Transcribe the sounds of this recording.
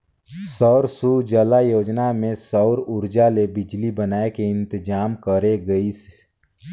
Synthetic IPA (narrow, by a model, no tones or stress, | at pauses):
sɔʊɾsud͡ʒəlajoːd͡ʒnamẽsɔʊɾʊɾd͡ʒalebɪd͡ʒlibənaːekeɪ̃nt̪ɪd͡ʒaːmkəɾeɡəis